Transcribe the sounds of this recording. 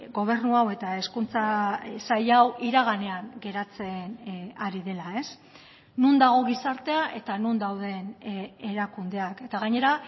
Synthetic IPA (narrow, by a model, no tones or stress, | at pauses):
ɡo̞β̞e̞ɾnuawe̞t̪ae̞skunt͡sasajawʔiɾaɣ̞ane̞aŋɡe̞ɾat͡se̞naɾiðe̞lae̞s | nund̪aɣ̞o̞ɣisaɾt̪e̞aʔe̞t̪anund̪awðe̞neɾakund̪e̞ake̞t̪aɣ̞aɲe̞ɾa